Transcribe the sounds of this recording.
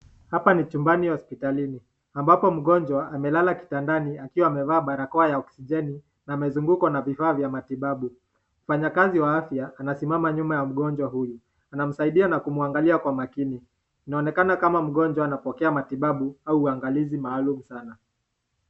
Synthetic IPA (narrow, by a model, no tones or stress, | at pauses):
hapanit͡ʃumbanihɔspitalini | ambapɔm̩ɠɔɲd͡ʒwaamɛlalaki̥tandaniakiwaːmɛvaːɓaɾakɔajaɔksiʄɛni | naːmɛzuŋɡukɔnavifaːvjamatiɓaɓu | m̩faɲakaziwaafjaːnasimamaɲumajam̩ɠɔɲd͡ʒwaɦuju | anam̩saiɗianakumuaŋɡaliakwamakini | inaɔnɛkanakamam̩ɠɔɲd͡ʒwaːnapɔkɛamatiɓaɓuauːaŋɡalizimaːlumusana